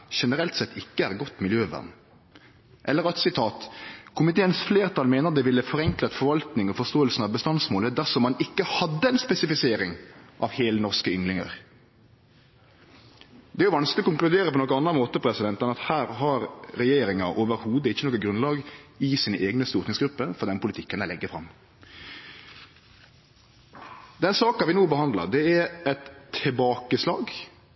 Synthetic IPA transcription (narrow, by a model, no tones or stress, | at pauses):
ʃɛnəɾɛlt̪sɛt̪ʰːɪkːəæːɾɡɔt̪ːmɪljøːʋæ̰ʁn | ʔɛlːəɾɑt̪sɪt̪ʰɑːt̪kʰʊmɪt̪ʰeːənsfleːɾt̪ʰɑlmeːnəʁd̪ɛʋɪlːəfɔɾɛŋklət̪fɔɾʋɑlt̪nɪŋɔfɔʁst̪oːəlsn̩ɑʋbəst̪ɑnsmoːləd̪æʁsɔmːɑnɪkːəhɑd̪ːəɛɪnspɛsɪfɪseːɾɪŋʔɑʋheːlənɔʁskəʏŋlɪŋə̰ɾ | d̪ɛæɾjʊʋɑnsklɪɔkʰʊŋklʉd̪eːɾəpʰɔnɔkːɔnɑnːɑmoːt̪əpʰɾɛsɪd̪ɛnt̪ənɑt̪hæːɾɦɑɾɾɛjeːɾɪŋɑʔoːʋəɾhuːd̪əɪçːənɔːkːəɡɾʉnlɑːɡɪsiːnəʔeːɡnəst̪ʊɾt̪nɪŋsɡɾʉpːəfɔɾd̪ɛnəpʰʊlɪt̪ʰɪkːənæɪlɛɡːəfɾɑm | d̪ɛnsɑːkɑʋɪnuːbəhɑnd̪lɑ̰ɾd̪ɛæɾɛt̪ʰːɪbɑːkəslɑːɡ